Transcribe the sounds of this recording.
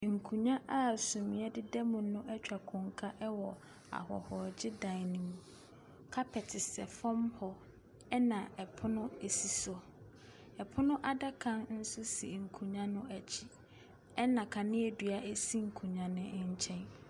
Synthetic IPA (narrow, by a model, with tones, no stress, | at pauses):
ŋ̩˨kʰũ˨ɲã˦ʔa˦sũ˨mĩ˨ɛ˦dɪ˦dɛ˦mʊ̃˨nʊ̃˦ʔɛ˦t͡ɕᶣa˨kʰʊ̃˨ŋkʰa˦ʔɛ˦wɔ˨ | a̰˨hɔ̰˨hɔ˨d͡ʑɪ˦dã˨˦˨nĩ˨mũ˨ | kʰa˦pʰɛ˨tʰɪ˨sɛ̰˨fɔ̃˦mhɔ˦ | ɛ˦nã˨ɛ˨pʰʊ˦nʊ̃˦e˨si˨sɔ˨ | ɛ˨pʰʊ˦nʊ̃˦ʔa˨da˦kʰã˦nn̩˦sʊ˦sḭ˨ŋ̩˨kʰũ˨ɲã˦nʊ̃˦æ˨t͡ɕʰi˦ | ɛ˦nã˨kʰã˨nɪ̃˦e˨dɥa˦ʔe˦si˦ŋ̩˨kʰũ˨ɲã˨nɪ̃˦ɲ̩˦t͡ɕʰɛ̃˦n